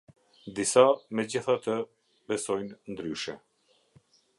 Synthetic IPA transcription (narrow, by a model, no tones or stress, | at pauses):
d̪isamɛd͡ʑiθat̪ə | bɛsɔjnnd̪ɾyʃɛ